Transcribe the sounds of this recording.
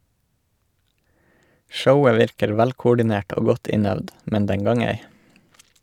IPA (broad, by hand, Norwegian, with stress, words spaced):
ˈʃəʊə ˈʋɪɾkəɾ ˈʋælkʊɖɪˌneːʈ ˈoː ˈɡɔt ˈɪnœʋd ˈmɛn ˈdɛŋ ˈɡɑːŋ ˈeɪ